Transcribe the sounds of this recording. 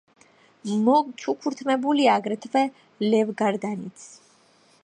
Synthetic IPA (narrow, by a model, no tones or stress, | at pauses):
mɔt͡ʃʰukʰuɾt̪ʰmɛbuliaɡɾɛt̪ʰvɛ | lɛvɡaɾd̪anit̪sʰ